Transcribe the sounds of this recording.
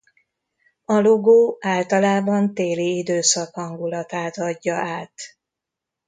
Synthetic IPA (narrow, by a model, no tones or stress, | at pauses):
ɒloɡoːaːlt̪ɒlaːbɒnt̪eːliid̪øːsɒkhɒŋɡulɒt̪aːt̪ɒɟːɒʔaːt̪